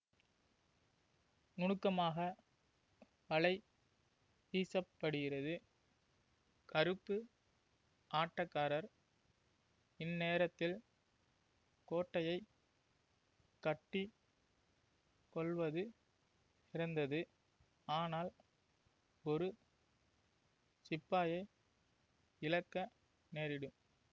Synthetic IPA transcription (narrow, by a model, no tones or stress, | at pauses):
ŋʊɳɯkːɐmaːɣɐ | ʋɐɭɐɪ | piːsɐpːɐɽɯɣɪɾɐðɯ | kɐɾɯpːɯ | ʔaːʈːɐkːaːɾɐɾ | ɪnːeːɾɐt̪ːɪl | koːʈːɐjɐɪ | kːɐʈːi | kɔɭʋɐðɯ | ɪɾɐnd̪ɐðɯ | aːnaːl | ɔɾɯ | sɪpːaːjɐɪ | ɪlɐkːɐ | neːɾɪɽɯm